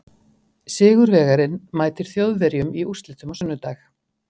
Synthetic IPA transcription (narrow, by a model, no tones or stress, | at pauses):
sɪːɣʏɾvɛːɣaɾɪnmaːjt̪ɪɾ̥θjowðvɛɾjʏmiurst̪lɪt̪ʏmawsœnːʏt̪aːx